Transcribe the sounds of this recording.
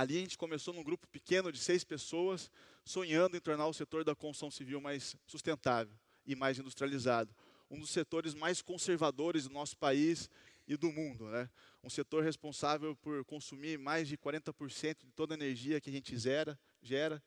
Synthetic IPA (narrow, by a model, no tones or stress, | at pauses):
aliɐʒẽnt͡ʃɪ̥kõmesonũɡɾupʊ̥pɪkẽnʊd͡ʒɪsejspesoɐsː | õɲɐ̃nd̪ʊẽt̪oɾnaɾʊset̪oɾd̪ɐkõusɐ̃w̃siviwmajsːust̪ẽnt̪avew | ɪmajzĩnd̪ust̪ɾializad̪ʊ | ũd̪ʊsːet̪oɾɪzmajskõseɾvad̪oɾɪzd̪ʊnɔsʊ̥pais | ɪd̪ʊmũnd̪ʊnɛ | ũset̪oɾhespõsavewpoɾkõsumiɾmajzd͡ʒɪkwaɾẽnt̪ɐpoɾsẽnt̪ʊd͡ʒɪt̪od̪ɐeneɾʒiɐkɪɐʒẽnt͡ʃɪzɛɾɐ | ʒɛɾɐ